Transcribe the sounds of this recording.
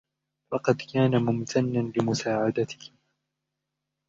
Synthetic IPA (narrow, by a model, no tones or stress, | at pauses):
fɑqɑd̪kaːnamʊmt̪ʰanːanlɪmʊsaːʕad̪at̪ɪ̥h